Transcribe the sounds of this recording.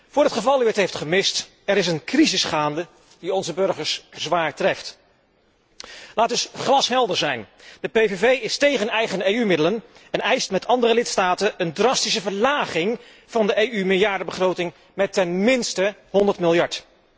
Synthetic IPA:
v̥ʊːɹɦətχəvɑlˠyətɦejftχəmɪst | ɛɾɪs̬ənkrizɪsχaːndə | diɔnzəbɵɹχəɹszʋaːɹtrɛft | laːdɵsχrɑsɦɛlˠdəɹzɛjn | d̥əpejvevejɪstejχənɛjχənejymɪdələnɛnɛjstmɛtʰɑndərəlɪtstaːtənəndrɑstisəvəɹlaːχɪŋ | v̥ɑndəejymɪlˠjaːɹdəbəχrowtɪŋ | mɛtɛnmɪnstəɦɔndəɹtmɪlˠjɑɹt

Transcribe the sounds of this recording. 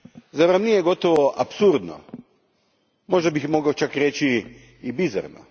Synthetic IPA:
zaʋɾamnijeɡo̞t̪oʋoʔapsuɾd̪no̰ | mo̞ʒd̪abixmo̞ɡaot͡ʃakɾet͡ʃi | ibiza̰ɾno̰

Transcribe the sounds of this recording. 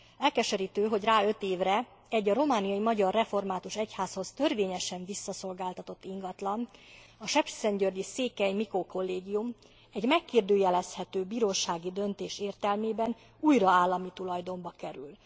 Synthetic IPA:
ɛlkɛʃɛɾiːt̪øːɦo̞ɟraːø̞t̪eːvrɛ | ɛɟɒɾo̞maːnijɒjimɒɟɒrːɛfo̞rmaːt̪uʃɛchaːsho̞st̪ø̞rveːɲɛʃɛɱvisːɒso̞lɡaːlt̪ɒt̪o̞t̪ːiŋɡɒt̪lɒnɒʃɛpi̥sɛɲɟørɟiseːkɛjmikoko̞lːeːɡijum | ɛɟmɛkːird̪øːjɛlɛshɛt̪øːbiːɾoːʃaːɡid̪ø̞nt̪eːʃeːrt̪ɛlmeːbɛn | ujrɒaːlːɒmit̪ulɒjd̪o̞mbɒkɛɾy̰l

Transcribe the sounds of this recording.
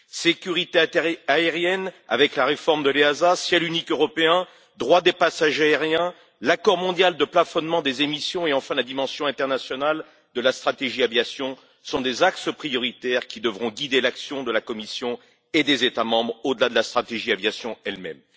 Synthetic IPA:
sekʲyʁit̪eaeʁjɛna̰vɛklaʁefɔʁmd̪əleazasjɛlynikøʁɔpeɛ̃ | d̪ʁwad̪epasaʒaeʁjɛ̃ | lakɔʁmɔ̃d̪jald̪əplafɔnmɑ̃d̪ezemisjɔ̃eɑ̃fɛ̃lad̪imɑ̃sjɔ̃ɛ̃t̪ɛʁnasjɔnal | d̪əlast̪χat̪eʒiavjasjɔ̃ | sɔ̃d̪ezaksəpχijɔʁit̪ɛʁkʲid̪əvʁɔ̃ɡʲid̪elaksjɔ̃d̪əlakɔmisjɔ̃ | ed̪ezet̪amɑ̃bʁod̪əlad̪əlast̪χat̪eʒiavjasjɔ̃ɛlmɛ̰m

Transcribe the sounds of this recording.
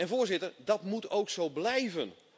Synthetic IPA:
ɛnvʊːrzɪtərdɑtmutowksowblɛjvən

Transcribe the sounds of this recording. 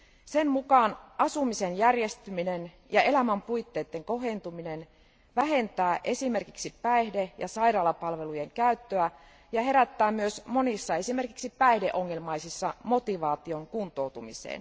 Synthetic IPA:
semmukɑːnɑsumisenjærjest̪yminen | jɑelæmæmpuit̪ːeːt̪ːeŋko̞ɦent̪uminen | ʋæɦe̞nt̪æːʔe̞sime̞rkiksipæehdejɑ̰sɑirɑːlɑpɑlʋe̞lujeŋkæyt̪ːøæ | jɑɦe̞ɾæt̪ːæːmyøsmo̞nisːɑe̞sime̞rkiksipæihdeʔoŋːe̞lmɑisisːɑmo̞t̪iʋɑːt̪ioŋkunt̪ˑo̞ut̪umḭsḛːn

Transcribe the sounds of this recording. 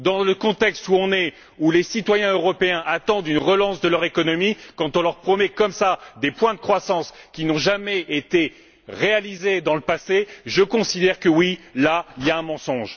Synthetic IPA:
d̪ɑ̃ləkɔ̃t̪ɛkst̪uɔ̃nɛ | ulesit̪wajɛ̃øʁɔpeɛ̃ʔat̪ɑ̃d̪ynʁəlɑ̃sd̪əlœʁekɔnɔmikɑ̃t̪ɔ̃lœʁpχɔmɛkɔmsad̪epwɛ̃d̪əkχwasɑ̃skʲinɔ̃ʒamɛʔet̪e | ʁealized̪ɑ̃ləpaseʒəkɔ̃sid̪ɛʁkəwilailjaɛ̃mɑ̃sɔ̃ʒ

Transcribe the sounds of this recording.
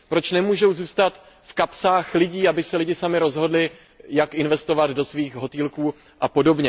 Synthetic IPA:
pɾo̞t͡ʃnɛmuːʒo̞wzuːst̪at̪ | fkapsaːxlɪɟiːabɪsɛlɪɟɪsamɪɾo̞zɦo̞dlɪ | jakʔɪnvɛst̪o̞vad̪do̞sviːxɦo̞t̪iːlkuː | ʔapo̞do̞bɲɛ

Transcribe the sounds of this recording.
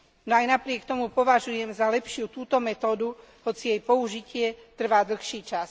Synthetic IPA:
nɔajnapɾɪɛkt̪ɔmupɔʋaʒujɛmzalɛpʃɪut̪uːt̪ɔmɛt̪ɔːd̪u | hɔt͡sijɛjpɔuʒicɪɛt̪r̩ʋaːd̪l̩xʃiːt͡ʃas

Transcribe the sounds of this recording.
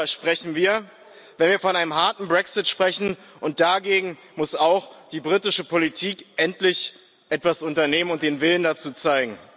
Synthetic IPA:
ʃpʁ̥ɛçn̩viːɐ | vɛnviːɐfɔnʔaɪnəmɦaɐtn̩bʁɛksɪtʃpʁ̥ɛçn̩ | ʔʊnt̚d̥aɡeːɡŋ̩ | mʊsaʊxd̥iːbʁitɪʃəpʰolitʰiːkʔɛntlɪç | ʔɛtv̥asʊntɐneːmənʊnt̚d̥eːnvɪləndat͡suːt͡saɪɡŋ̩

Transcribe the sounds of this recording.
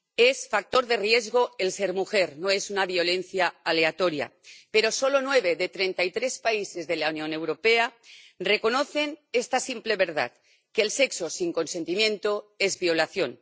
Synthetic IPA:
e̞sfak̚t̪o̞ɾðe̞rjezɣo̞else̞ɾmuxe̞ɾno̞e̞sunaβjo̞lẽ̞nθjaːle̞at̪o̞ɾja̰pe̞ɾo̞so̞lo̞nwe̞β̞e̞ðe̞t̪ɾe̞nt̪ait̪ɾe̞spaise̞zðe̞launjõ̞ne̞wɾo̞pe̞are̞ko̞no̞θe̞ne̞st̪asimple̞βe̞ɾða̰ð | ke̞ːlse̞kso̞siŋko̞nsent̪imjẽ̞nt̪oe̞zβio̞laθjo̞n

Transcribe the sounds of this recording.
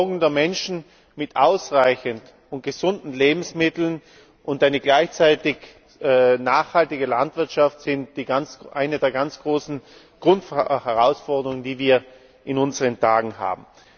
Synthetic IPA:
ɡŋ̩deːɐmɛnʃn̩ | mɪtʔaʊsʁaɪçənt | ʊnt̚ɡ̥əzʊndn̩leːbm̩smɪtl̩n | ʔʊntʔaɪnəɡlaɪçt͡saɪtɪç | naːχhaltɪɡəlantv̥ɪɐtʃaftz̥ɪnt̚d̥iːɡant͡sʔa̰ɪnədeːɐɡant͡sɡ̥ʁoːsn̩ | ɡ̥ʁʊntfhɛʁaʊsfɔɐdəʁʊŋəndiːviːɐ | ʔɪnʊnzəʁəntʰaːɡŋ̩ɦa̰ːbm̩

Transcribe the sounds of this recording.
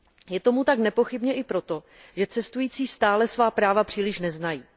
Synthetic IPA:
jɛt̪o̞mut̪aknɛpo̞xɪbɲɛʔɪpɾo̞t̪o̞ | ʒɛt͡sɛst̪ujiːt͡siːst̪aːlɛsvaːpɾaːvapr̥iːlɪʃnɛznajiː

